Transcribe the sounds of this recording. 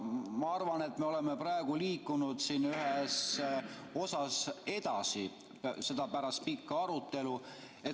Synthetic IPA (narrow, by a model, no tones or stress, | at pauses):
mɑɑrvɑne̞t̪me̞o̞lemeprɑeɡ̥uliːkːˑunud̪̥siːnyɦɛs | o̞sɑse̞d̪̥ɑsi | se̞d̪ɑpæɾɑst̪̚pikːɑɑɾut̪ˑːe̞lu | e̞